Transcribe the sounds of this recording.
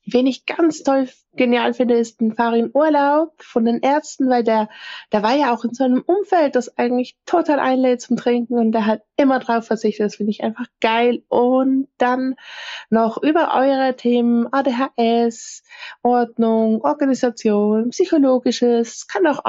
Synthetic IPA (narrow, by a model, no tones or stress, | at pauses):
veːnɪçɡ̥ant͡stʰɔl | ɡ̥enjaːlfɪndəɪst̚nfaːʁinʔuːɐlaʊpfɔndeːnʔɛɐt͡stn̩vaɪldeːɐd̥eːɐvaːɐjaːaʊxɪnzoaɪnəmʔʊmfɛlt̚d̥asʔaɪɡŋ̩tlɪçtʰotʰaːlʔa̰ɪnleːt̚t͡sʊmtʁ̥ɪŋk̚ŋ̩ʊnt̚d̥eːɐɦat̚ʔɪmɐdʁaʊfɛɐt͡sɪçtətd̥asfɪndəɪçʔa̰ɪnfaχɡ̥aɪlʔʊntd̥anː | ɔχʔyːbɐʔɔ̰ʏʁ̞ətʰeːmənʔaːdeːɦaːʔɛsʔɔɐdnʊŋʔɔɐɡanizat͡sjoːnnpsyçoloːɡɪʃəskʰanaʊx